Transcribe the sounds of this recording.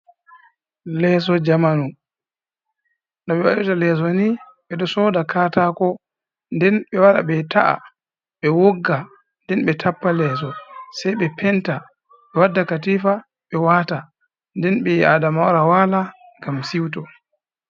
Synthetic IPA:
lɛs̬ɔd͡ʒamanu | nɔɓɛwa̰ɗutalɛːs̬ɔni | ɓɛɗɔsɔːdakaːtakɔ | ndɛnɓɛwaɾa̰ɓɛtaʔa̰ | ɓɛwoɡːa | ndɛnɓɛtʰapːalɛːs̬ɔsajɓɛpʰɛnta | ɓɛwadːakatiːfa | ɓɛwaːta | ndɛnɓɛadamawɾawaːla | ŋɡamsiwtɔ

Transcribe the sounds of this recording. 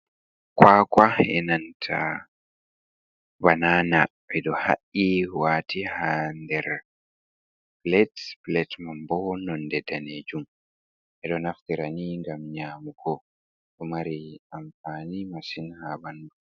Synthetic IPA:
kwakwaɛnantʰa | banaːnaʔɛɗɔha̰ʔːiwaːtihandɛɾ | plɛtblɛtmambɔnɔndɛdaned͡ʒum | ʔɛɗɔnaftiɾaniŋɡamɲaːmuɡɔ | ɗɔmaɾiamfaːnimasinhabandu

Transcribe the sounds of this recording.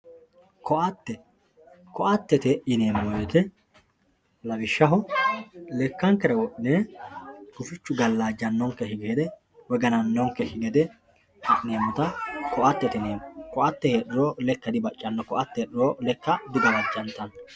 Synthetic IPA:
kɔʔɐt̪ːɛ | kɔʔɐt̪ːɛt̪ɛɪneːmːɔjet̪ɛ | lɐbɪʃːɐɦɔ | lɛkːɐŋkɛɾɐwɔʔɪneː | ɡ̥ʊfɪt͡ʃːʊɡɐlːaːd͡ʒːɐnːɔŋkːɛhɪɡeːd̪ɛ | wɛɡɐnɐnːɔŋkːɛhɪɡɛd̪ɛ | neːmːʊt̪ɐkɔʔɐt̪ːɛt̪ɛneːmkɔʔɐt̪ːɛheːɗɪɾolɛkːɐd̪ɪbɐt͡ʃʼːɐnːɔkɔʔɐt̪ːɛɗɪɾɔlɛkːɐd̪ɪɡɐlɐd͡ʒːɐnt̪ɐn

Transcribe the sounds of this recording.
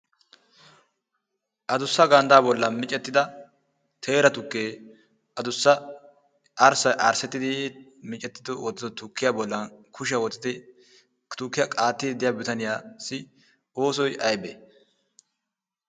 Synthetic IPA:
ʔɐd̪ʊsːɐɡɐnd̪aːbɔlːɐmɪt͡ʃʼɛt̪ːɪd̪ɐ | t̪ʰe̞ːɾɐt̪ʊkːeː | ɐd̪ʊsːɐ | ʔːɾsɐjʔɐɾsɛt̪ːɪd̪ɪmɪt͡ʃʼːɛt̪ːɪd̪ɔwɔt͡s̪ːɪd̪ɔt̪ʊkːɪjaːbɔlːɐnkʰʊʃ̬ɪɐwɔt͡s̪ʼːɪd̪ɪ | kt̪ʊkːɪjɐkʼaːt̪ːɪd̪ɪjabɪt̪ɐnɪjaːsɪ | oːs̬ɔjʔɐjbe

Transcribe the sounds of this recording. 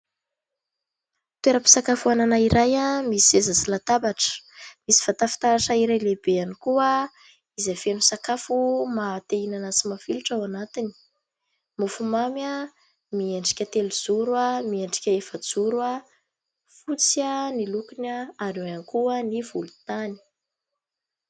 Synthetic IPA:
t̪weɾəpi̥sakafuananaiɾʔajamisiezasilat̪abaʈ͡ʂə̥misi̥fat̪afi̥t̪aɾaʈ͡ʂaiɾajlebeanikuə | izafenusakafumat̪einanasimafiluʈ͡ʂawanat̪ini̥ | mufumama | mieɳɖ͡ʐi̥kʲət̪eluzuɾwamieɳɖ͡ʐi̥kʲəefəd͡zuɾua | fut͡sianilukinaaɾeanikuəniv̥ulu̥t̪ani̥

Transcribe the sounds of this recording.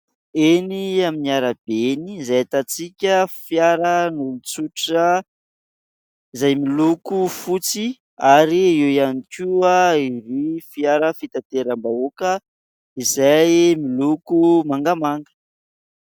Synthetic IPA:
eniaminiaɾab̥enizajat̪at͡sikʲəfjaɾənulut͡suʈ͡ʂə | izajmilukufut͡si | aɾiiwjanikʲuaiɾifjaɾəfit̪at̪eɾambaokə | izajmilukumaŋɡamaŋɡə̥

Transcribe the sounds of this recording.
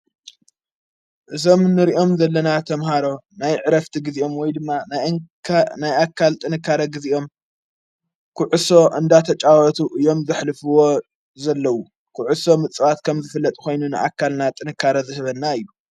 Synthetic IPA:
ʔɨzo̞mnːɨɾiʔo̞mzɐlːɐnat̪ʰɐmhaɾo̞ | najʕɨɾɐft̪ʰiɡɨziʔo̞mwɔjd̪ɨmːan | najʔakʰːalt̪ʼɨnɨkːaɾɐɡɨziʔo̞m | kʰuʕuso̞ʔɨnd̪at̪ʰɐt͡ʃʼawɐt̪ʰuʔɨjo̞mzɨħlɨfɨwo̞ | zɐlːɐwu | kʰʊʕuso̞mɨt͡sʼɨwat̪kʰɐmzɨfɨlːɐt̪ʼko̞jnunɨʔakʰːalnat̪ʼɨnɨkʰːaɾɐzɨhɨβɐnːaɨjːu

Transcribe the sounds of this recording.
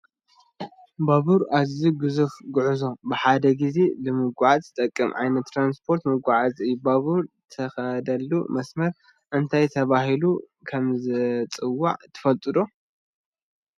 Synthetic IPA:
baβuɾaziɡɨzufɡʊʕuzo̞bɨħad̪ɐɡize̞lɨmɨɡʷaʕazɨt̪ʼɐkʼːɨmʕa̰jnɐt̪ːɾanspʰo̞ɾt̪mɨɡʷaʕazɨjbaβuɾt̪ʰɐxɐd̪ɐlːṵmɐsmɐɾ | ʔɨnt̪ʰajt̪ʰɐβaɦilu | kʰɐmzɨt͡sʼɨwːa̰ʕt̪ʰɨ̥fɐlt̪ʼɨd̪o

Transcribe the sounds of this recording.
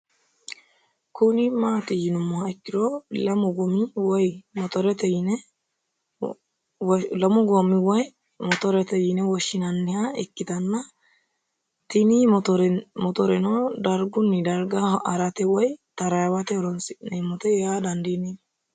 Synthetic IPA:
kunɪmaːt̪ɪjɪnʊmːɔhaɪkːɪd̪ɔlɐmʊɡɔmɪwɔjmɔt̪ɔɾɛt̪ɛjɪnɛ | lɐmʊɡɔmːɪwɔj | mɔt̪ɔɾɛt̪ɛjɪnɛwɔʃːɪnɐnːɪhaɪkːɪt̪ɐnːɐ | t̪ɪniɔɾmɔt̪ɔɾɛnɔd̪ɐɾɡʊnːɪd̪ɐɾɡɐɐɾɐt̪ɛwɔjt̪ɐɾɐjɐwɐt̪ɛɔɾɔnsɪnɛmɔt̪ɛɛad̪ɐnd̪ini

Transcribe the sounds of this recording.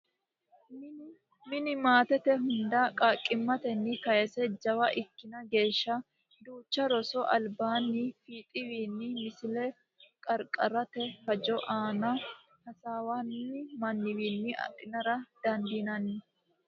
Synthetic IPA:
m | mɪnɪmaːt̪ɛt̪ɛɦʊnd̪ɐkʼakʼːɪmːɐt̪ɛnːɪkɐjɛsɛd͡ʒɐwɐʔɪkːɪnɐɡe̞ːʃːɐ | d̪uːt͡ʃːɐɾɔsɔʔɐlbaːnːɪfiːt̪ʼɪwiːnːɪmɪsɪlɛ | kʼɐɾkʼɐɾɐt̪ɛhɐd͡ʒɔʔaːnɐ | hɐsaːwanːɪmɐnːɪwiːnːɪʔɐ̰ɗɪnɐɾɐd̪̥ɐnd̪inɐnːɪ

